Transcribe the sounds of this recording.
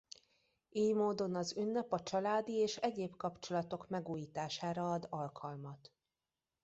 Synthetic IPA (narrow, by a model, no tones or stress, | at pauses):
eːjmoːd̪o̞nɒzynːɛpɒt͡ʃɒlaːd̪ieːʃɛɟeːbkɒpt͡ʃo̞lɒt̪o̞kmɛɡuːjiːt̪aːʃaːɾɒɒd̪ɒlkʰɒlmɒt̪